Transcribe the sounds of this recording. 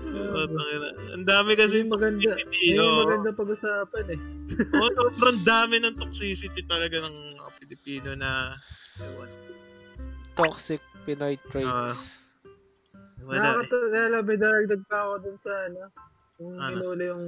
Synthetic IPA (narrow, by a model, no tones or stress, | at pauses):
ooɐɡɐʔɐ̰nd̪aːmɛkɐs̬ɛmɐɡɐnd̪aɪpiomɐɡɐnd̪ɐpɐɡʊsaːpɐnɛʔonobɾɐɐnd̪aːmɪnɐŋt̪ok̚siːsɪt̪it̪ɐlɐɡanɐŋmɐɐpɪlɪpiːnonɐɐwɐn | t̪oksɪk̚pɪnajt̪ːɾas | mɐakɐt̪okjaːlɐɐmɐjd̪aːd̪ɐɡ̚d̪ɐɡ̚pɐɐkod̪ʊnsɐɐno | jʊŋɐɪloːlɐjʊŋ